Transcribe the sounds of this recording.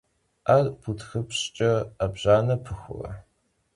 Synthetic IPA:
arpʰutxɨpɕt͡ʃʼɐabʑaːnɐpʰɨxʷʊ̰rɐ̰

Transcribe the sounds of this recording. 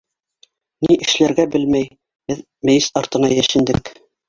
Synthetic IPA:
niʔɘ̆ʃlæɾɡæbɘlmæj | bɘð | mɘ̆jɘsɑɾt̪ɤ̆nɑjæʃɘ̆nd̪ɘk

